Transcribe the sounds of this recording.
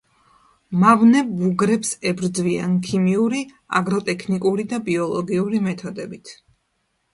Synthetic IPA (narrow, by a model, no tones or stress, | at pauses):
mavnɛbuɡɾɛpsɛbɾd̪zvia̰nkʰimiuɾi | a̰ɡɾɔt̪ʼɛkʰnikʼuɾid̪abiɔlˠɔɡiuɾimɛt̪ʰɔd̪ɛbit̪ʰ